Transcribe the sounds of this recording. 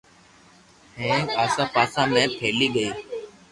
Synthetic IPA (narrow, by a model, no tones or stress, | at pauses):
hẽːaːsãːpaːsãːmẽːpʰeːliːɠəiː